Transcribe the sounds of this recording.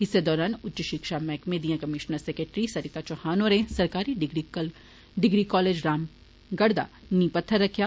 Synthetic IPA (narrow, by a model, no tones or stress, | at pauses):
ɦɪsːed̪ɔːɾaːnʊtːt͡ʃəʃɪkʃamɛ̃ːkmeːd̪ijãkɐmɪʃnəɾsekeːʈɾisɐɾɪt̪at͡ʃohaːnoɾẽsɐɾkaːɾiɖɡɾ | ɖɪɡɾikɔːleːd͡ʒɾaːm | ɡɐɽd̪a̰ː | nĩːpɐt̪ʰːəɾːɐkʰjaː